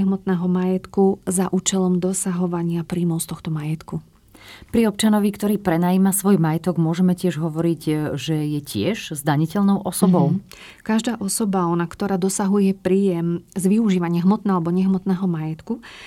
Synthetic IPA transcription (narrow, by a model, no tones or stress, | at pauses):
ɛɦmɔt̪nɛːɦɔmajɛt̪kuzaʔuːt͡ʃɛlɔmd̪ɔsaɦɔʋaɲɪapɾiːmɔʊst̪ɔxt̪ɔmajɛt̪ku | pɾiɔp̚t͡ʃanɔʋikt̪ɔɾiːpɾɛnaːjiːmasʋɔjmajɛt̪ɔɡmʊɔʒɛmɛcɪɛʒɦɔʋɔɾiɟʒɛjɛcɪɛʒ̥zd̪aɲicɛlnɔʊʔɔsɔbɔʊ | kaʒd̪aːʔɔsɔbaɔnakt̪ɔɾaːd̪ɔsaɦujɛpɾiːjɛmzʋiuʒiːʋaɲɪaɦmɔt̪nɛːalɛbɔɲɛɦmɔt̪nɛːɦɔmajɛt̪ku